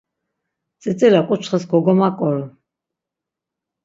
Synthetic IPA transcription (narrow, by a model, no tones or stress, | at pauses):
t͡sʼɛt͡sʼɛlakʼut͡ʃʰχəsɡɔɡɔmakʼɔɾ